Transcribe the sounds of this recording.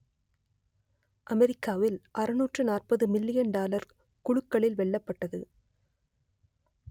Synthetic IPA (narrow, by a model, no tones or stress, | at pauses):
ʔɐmɛɾɪkːaːʋɪlʔɐɾɯnuːʈrɯnaːrpɐðɯmɪlːɪjɐɳɖaːlɐɾ | kʊɻʊkːɐɭɪlʋɛɭːɐpːɐʈːɐðɯ